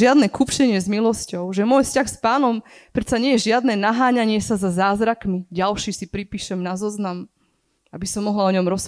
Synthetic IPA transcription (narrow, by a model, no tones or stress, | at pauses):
ɪad̪nɛkupʃɛɲɪɛzmilɔscɔʊʒɛmʊɔjfscaxspaːnɔmpɾɛt̪saɲɪɛjɛʒɪad̪nɛːnaɦaːɲaɲɪɛsazazaːzɾakmiɟalʃiːsipɾipiːʃɛmnazɔznam | abisɔmːɔɦlaɔɲɔmɾɔs